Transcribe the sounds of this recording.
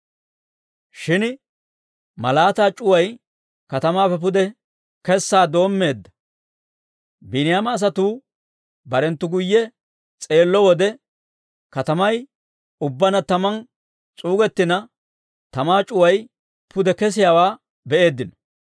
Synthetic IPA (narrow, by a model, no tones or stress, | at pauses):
ʃɪn | mɐ̰laːt̪aːt͡ʃʼʊwɐj | kɐt̪ɐmaːfɛp̬ʊd̪ɛ | kɛsːaːd̪o̞ːmːe̞ːd̪ːɐ̥ | bɪnɪjamɐːs̬ɐt̪uː | bɐɾɛnt̪ːʊɡʊjːɛ | t͡sʼe̞ːlːɔwɔd̪ɛ | kɐt̪ɐmɐj | ʊbːɐnɐt̪ɐmɐn | t͡sʼuːɡɛt̪ːɪnɐ | t̪ɐmaːt͡ʃʼʊwɐj | pʊd̪ɛkɛs̬ɪjawaː | bɛʔe̞ːd̪ːɪnɔ̥